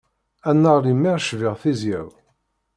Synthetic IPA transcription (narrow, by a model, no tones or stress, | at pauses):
ænːəʁɾimːiʁʃvɪʁθizjæw